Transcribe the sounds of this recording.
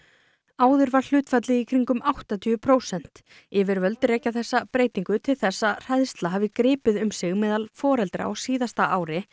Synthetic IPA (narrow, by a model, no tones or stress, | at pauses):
aːwðʏɾvaɾ̥l̥ʏːt̪fat̪lɪikʰɾiŋkʏmawht̪at̪ʰyːʏpʰɾoːwsɛn̥t̪ | ɪvɪɾvœlt̪ɾeːjcaθɛsːapɾeːjt̪iŋkʏt̪ʰɪlθɛsːar̥ajðst̪laɦaːvɪkɾɪːpɪðʏmsɪɣmɛːðalfɔːɾɛlt̪ɾa̰ɔsiːðast̪aʔaːwɾɪ